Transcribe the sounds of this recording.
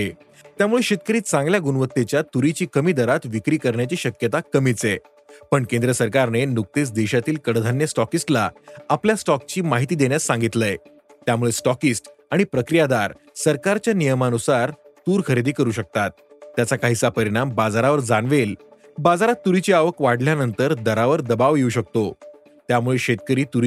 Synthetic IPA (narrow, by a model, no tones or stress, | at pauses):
t̪jamuɭeɕit̪̚kəɾiːt̪̚t͡sãŋɡljaɡunʋət̪ːet͡ɕjat̪uɾit͡ɕiːkəmiːd̪əɾat̪ʋikɾiːkəɾɳjat͡ɕiːɕəkjət̪akəmit͡se | pəɳkend̪ɾəsəɾkaɾnenuk̚t̪esd̪eɕat̪iːlkəɽd̪ʱanjəsʈɔkisʈlaapljasʈɔk̚t͡ɕiːmaɦit̪iːd̪enjasːãŋɡit̪ləj | t̪jamuɭesʈɔkisʈ | aɽ̃ipɾəkɾijad̪aɾ | səɾkaɾt͡ɕjanijəmanusaɾt̪uːɾkəɾid̪iːkəɾuːɕək̚t̪at̪̚ːjat͡sakaɦisapəɾiɽ̃ambad͡zaɾaʋəɾd͡zaɳʋel | bad͡zaɾat̪ːuɾit͡ɕiaʋəkʋaɽljanənt̪əɾd̪əɾaʋəɾd̪əbaʋjeuɕək̚t̪o | t̪jamuɭeɕet̪̚kəɾiːt̪uɾ